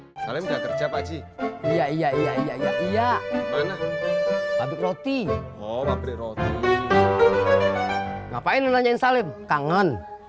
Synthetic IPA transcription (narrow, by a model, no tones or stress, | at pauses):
salɪmɡat̪ərt͡ʃapat͡ʃiijaijaijaijaijaʔijamana | sabɪkrot̪ihowabədɛɾot̪i | ŋa̰painənaɲainsalɪmkaŋən